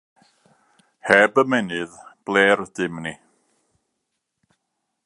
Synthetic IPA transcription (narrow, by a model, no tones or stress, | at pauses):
hɛbəmɛnɨðb̥lˠeːrdɪmni